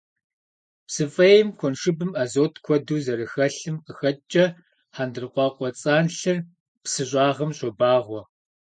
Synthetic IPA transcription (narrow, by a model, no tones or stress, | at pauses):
psɨfʼɐjɪmkʷʰɔnʂɨbɨmaːzoːtʰkʷʰɔduːzɐɾɨxɐɬɨmqəxɐt͡ʃʼɐ | ħaːndɨrqʷɑːqʷʼɔt͡sʼaːnɬɨr | psɨɕ̬ʷʼɑːʁɐmɕʼɔbaːʁʷɔ